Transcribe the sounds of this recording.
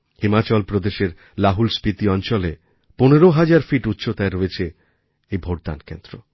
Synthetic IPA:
himat͡ɕɔlpɾod̪eʃeɾ | laɦulspɾit̪iɔnt͡ɕɔle | poneɾoɦad͡ʑaɾfiʈutːɕʰot̪aeɾoet͡ɕʰe | ejbʱoʈ̚d̪a̰nkḛnd̪ɾo̰

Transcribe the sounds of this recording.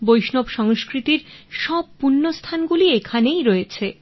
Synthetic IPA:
bojʃnobʃɔŋskɾit̪iɾʃɔb̚punːost̪ʰanɡuliekʰanejɾoet͡ɕʰe

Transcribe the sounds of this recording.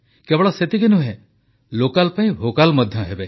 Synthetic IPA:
kebɔɽɔset̪ikinũɦẽ | lokalpaĩbʱokalmɔd̪ʱjɔɦebe

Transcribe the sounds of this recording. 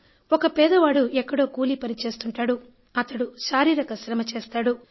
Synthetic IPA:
ɔkɐpɛːd̪ɐʋaːɽuɛkːɐɽo̞ːkuːlipɐnit͡ʃe̞ːst̪uɳʈaːɽu | ɐt̪ɐɽuʃaːɾiːɾɐkɐʃɾɐmɐt͡ʃe̞ːst̪aːɽu

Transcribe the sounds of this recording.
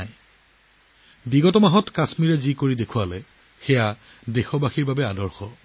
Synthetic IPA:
j | biɡɔtɔmaɦɔtkasmiɹɛzikoɹidekʰʊwalɛ | xɛja | dexɔbaxiɹbabɛadɔɹxɔ

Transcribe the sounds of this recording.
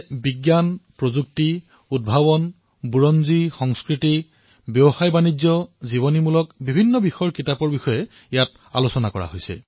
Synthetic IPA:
biɡjanpɹozuk̚ti | ud̚bʱabɔn | buɹɔnzixɔŋskɹiti | bjɔxajbanid͡ʒɔziβɔnimulɔkbibʱinːɔbixɔjɔɹkitapɔɹbixɔjɛ | ijat̚ | a̰losɔnakɔ̰ɹa̰ɦojsɛ̰

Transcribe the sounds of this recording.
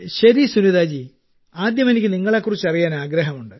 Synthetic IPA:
ɕɐɾisuniðaːd͡ʑi | aːd̪jɐmenikʲːɨniŋːɐɭekːurit͡ɕːɐrijaːnaːɡɾɐɦɐmuɳɖɨ

